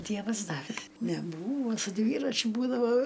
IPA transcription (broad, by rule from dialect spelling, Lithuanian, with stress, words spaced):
ˈdʲiɛʋɐs ˈdɑːʋʲeː nʲɛˈbuːʋoː sʊ ˈdʲʋʲiːrɐt͡ʃʲʊ ˈbuːdɐʋoː